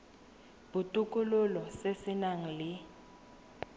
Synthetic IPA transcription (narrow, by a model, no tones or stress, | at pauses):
b̥utʼukʼulʊlɔsesinaŋ̩lɪ